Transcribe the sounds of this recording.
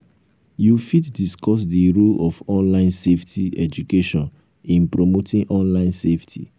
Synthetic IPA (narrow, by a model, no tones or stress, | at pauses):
jufitdiskɔs̬diɾolɔfɔ̃nlãɪ̃nseftʰiɛd͡ʒukeʃɔ̃n | ĩnpɹomotĩŋʔɔ̃nlãɪ̃nseftʰḭ